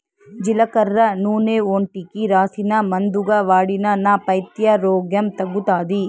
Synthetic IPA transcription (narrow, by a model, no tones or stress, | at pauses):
d͡ʒilɐkɐɾːɐnuːneoːɳʈikiɾaːsinɐmɐnd̪uɡɐʋaːɽinɐnapɐjt̪jɐɾoːɡjɐmt̪ɐɡːut̪aːd̪i